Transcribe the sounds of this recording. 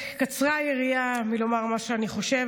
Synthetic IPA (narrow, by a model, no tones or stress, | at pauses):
kat͡sʁajeʁiamilo̞maʁmaʃeaniχo̞ʃe̞v